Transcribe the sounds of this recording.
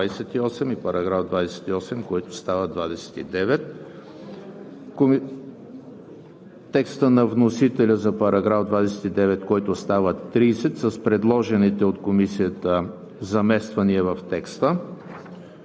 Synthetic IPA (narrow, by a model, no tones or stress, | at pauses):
asɛt̪iɔsɛmipɐɾɐɡɾavd̪vad̪ɛsɛ̥t̪iɔsɛmkoit̪ʊ̥st̪avəd̪vad̪ɛsɛ̥t̪id̪ɛvɛt̪̚ | ko | t̪ːɛkst̪ənɐvnosit̪ɛlʲəzɐpɐɾɐɡɾavd̪vad̪ɛsɛ̥t̪id̪ɛvɛt̪kɔjt̪ʊst̪avət̪ːɾisɛt̪sɐspɾɛd̪lˠɔʒɛnit̪ɛot̪komisijət̪ə | zɐmɛst̪vɐniɛvɐft̪ɛkst̪ə